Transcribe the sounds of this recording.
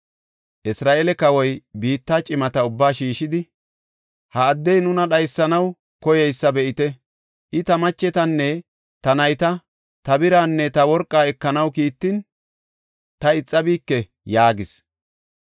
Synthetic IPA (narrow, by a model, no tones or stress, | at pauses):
ʔɪsɾaːʔelɛkɐwɔjbiːt̪ːaːt͡ʃʼɪmɐt̪ɐʊbːaːʃiːʃɪd̪ɪ | hɐːd̪ːɛjnʊnɐɗɐjsːɐnɐw | kɔjɛjsːɐbɛʔɪt̪ɛ | ʔɪt̪ɐmɐt͡ʃːɛt̪ɐnːɛ | t̪ɐnɐjt̪ɐ | t̪ɐbɪɾaːnːɛt̪ɐwɔɾkʼːaːɛkːɐnɐwkiːt̪ːɪn | t̪ɐɪt͡sʼːɐbiːkːɛ | jaːɡɪs